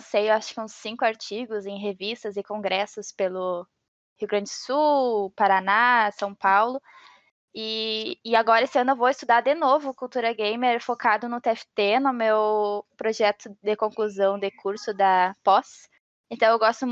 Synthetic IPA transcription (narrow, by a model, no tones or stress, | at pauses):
sejewaʃʊ̥kɪũsĩkʊaɾt͡ʃiɡʊzẽj̃ɦevist̪ɐzɪkõɡɾɛsʊspelʊ | hiuɡɾɐ̃nd͡ʒɪsupaɾanasɐ̃w̃pawlʊ | ɪːaɡɔɾɐesɪɐ̃nʊewvoɪst̪ud̪aɾd̪enovʊkuwt̪uɾɐɡẽjmeɾɾfokad̪ʊnʊt̪eɛfɪ̥t̪enʊ̃mewpɾoʒɛt̪ʊd̪ɪkõkluzɐ̃w̃d̪ɪkʰuɾsʊd̪ɐpɔs | ẽnt̪ɐ̃w̃ewɡɔst̪ʊ